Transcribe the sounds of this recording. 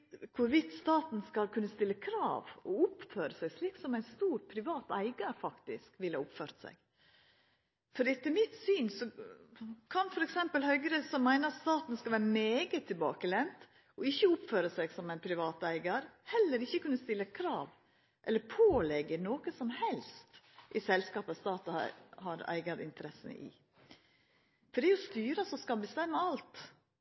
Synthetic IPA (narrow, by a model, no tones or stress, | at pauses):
kʰʊɾʋɪt̪st̪ɑːt̪n̩skɑlkʰʉnːəst̪ɪlːəkʰɾɑ̰ːʋɔʊpføːɾəsæɪsliːksɔmæɪnst̪uːɾpʰɾɪʋɑːt̪æ̰ɪɡɑɾfɑkt̪ɪ̰skʋɪlhɑ̰ʊpføːɾt̪sæ̰ɪɡ̥ | fɔɾɛt̪ːəmɪt̪syːnsɔ | kʰɑnfɔɾɛksɛmpəlhœʏɡəɾəsɔmːæɪnəɾɑt̪st̪ɑːt̪n̩skɑlʋæːɾəmeːɡət̪ʰːɪlbɑ̰ːkəlɛnt̪ | ɔɪçːəʊpføːɾəsæɡsɔmæɪnpʰɾɪʋɑːt̪æɪɡɑɾhɛlːəɾɪçːəkʉnːəst̪ɪlːəkʰɾɑ̰ːʋ | ʔɛlːəɾpʰoːlɛɡənoːkəsɔmhɛlst̪ | ʔɪsɛlskɑːpɑst̪ɑːt̪ɑɑ̰hɑɾæ̰ɪɡɑɾɪ̰nt̪əɾɛsə̰ʔɪ̰ | fɔɖɛjʊst̪yːɾəsɔskɑlbəst̪ɛmːəɑlt̪